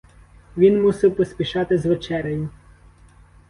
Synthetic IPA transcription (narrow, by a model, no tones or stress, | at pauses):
ʋʲinmusɪwpɔsʲpʲiʃɑt̪ɪzʋet͡ʃɛɾʲɐjʊ